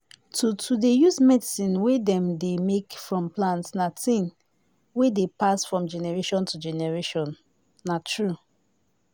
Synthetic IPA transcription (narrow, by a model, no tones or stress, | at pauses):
tʰutʰudejusmɛdisĩnwedɛ̃mdemekfɹɔ̃mplãntsnatĩn | wedepasfɹɔ̃md͡ʒɛnɛɹeʃɔ̃ntud͡ʒɛnɛɹeʃɔ̃nː | atɹu